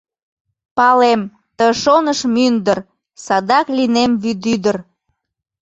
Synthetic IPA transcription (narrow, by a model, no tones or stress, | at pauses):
pɑlem | t̪əʃonəʃmynd̪ər | sɑd̪ɑklinemβyd̪yd̪ər